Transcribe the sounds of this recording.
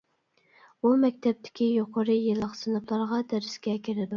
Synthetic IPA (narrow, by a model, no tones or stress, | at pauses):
umɛkʲt̪ʰɛp̚t̪ʰɪ̥kʲʰijoqʰəɾɨjɨlˠːəqsɨnɑpʰlˠɑɾʁɑd̪æɾɪskʲɛkʲiɾɪd̪u